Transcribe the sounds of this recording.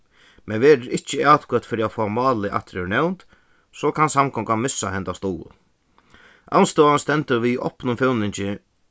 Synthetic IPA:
mɛnʋɛːɾɪɾɪt͡ʃːɪat̪kœt̪fɪɾiafɔːmaːlɪʔa̰ht̪ɾɛnɛwnt̪ | sɔkʰansamkʰɔŋkanmɪsːaɦɛnt̪ast̪ɔːlʊ̰ | ʔa̰wnst̪oːanst̪ɛnt̪əɾʋiɔ̰hpnʊmfjɔwnɪɲt͡ɕɪ

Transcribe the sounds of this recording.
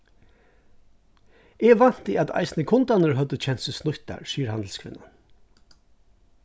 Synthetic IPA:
ɛʋan̥t̪əat̪a̰ɪsnəkʰʊnt̪anəɹɦœt̪ət͡ʃʰɛn̥t̪səsnʊht̪a̰ɹsiːəɾhanl̩skʰvɪ̰nːan

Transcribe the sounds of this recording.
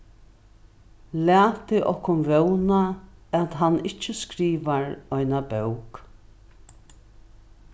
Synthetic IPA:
læːt̪ɪʔɔhkʊnvœwnaɛt̪ɦanɪt͡ʃːəskɾiːʋaɹɔjnabœwk

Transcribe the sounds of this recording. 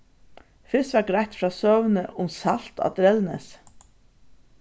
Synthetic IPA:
fɪsʋæɾɡɾajt̪fɾɑːsœːʋənəʔʊmsal̥t̪ɑ̰d̪ɾɛlnɛ̰s

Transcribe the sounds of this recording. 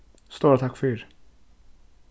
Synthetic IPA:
st̪uːɾat̪ʰakːfœːɾ

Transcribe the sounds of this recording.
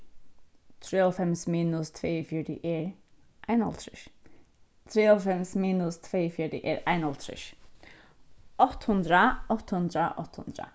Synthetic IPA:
t̪ʰɹeːɔlfɛmsmiːnʊst̪ʰvɛːfjɔɖɪ̰ʔɛɹ | ʔajnɔ̰lt̪ʰɾɪʃ | t̪ʰɾeːɔlfɛmsmiːnʊst̪ʰveːfjɔdɪ̰ʔɛɹajnɔlt̪ʰɾɪ̰ʃ | ɔt̪hʊnd̪ɾaɔt̪hʊnd̪ɾaʔɔ̰ht̪hʊ̰nd̪ɾa̰

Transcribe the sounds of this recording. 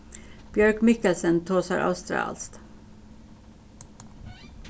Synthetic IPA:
b̥jœɹkmɪkəlsənt̪ʰoːsɑ̰ɾʔɑ̰ʉst̪ɾɑ̰ːlst̪

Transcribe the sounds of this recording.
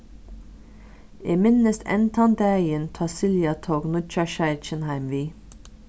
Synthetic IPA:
ʔeːmɪnəst̪ɛ̰nt̪ʰɑnd̪əæɪənt̪ʰɑsɪljɑt̪ʰoːɡnʊt͡ʃɑʃæɪɾt͡ʃənhæɪmʋiː

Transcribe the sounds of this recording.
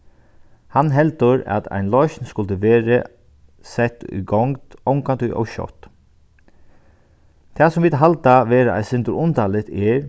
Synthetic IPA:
hanɦɛlt̪əɾa̰t̪ʰæ̰ɪnlɔʏʃnskʊlt̪əʋeːɾə | sɛt̪ʏ̰ɡɔŋt̪ɔwŋkant̪ʏʔɔ̰wʃɔ̰t̪ | t̪ʰɛːsɔmʋiːt̪ɦalt̪aʋeːɾaʔæ̰sɪnt̪əɾʊnt̪ʰalɪt̪ɛɹ

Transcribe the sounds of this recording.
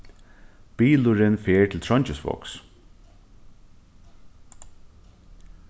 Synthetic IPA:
b̥iːlʊɾɪnfeːɹʈ̪ʰɪlt̪ʰɹɔɲt͡ʃɪsʋɔ̰ks

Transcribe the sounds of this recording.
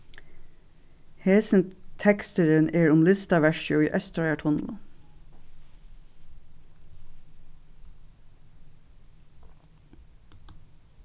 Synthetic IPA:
heːsn̩t̪ʰɛkst̪əɾənʔeːɹʊmlɪst̪ɑʋæʃʊiːʔœst̪ɑɑʈʰʊnlʊ

